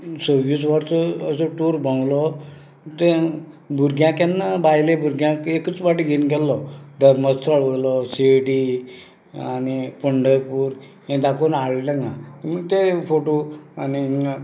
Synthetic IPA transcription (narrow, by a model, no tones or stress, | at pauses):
səʋusʋaɾt͡sɔːsɔʈuːɾbə̃ŋɡlɔ | t̪e | bʱuɾɡjãkanːabajlebʱuɾɡjãkekət͡sʋaʈiɡʱinɡɛlːɔd̪əɾməst̪ʰəɭʋəɭlɔseɖi | anipəɳɖəɾpuːɾ | ẽd̪akonaɭləŋɡãt̪iməɡt̪efoʈoani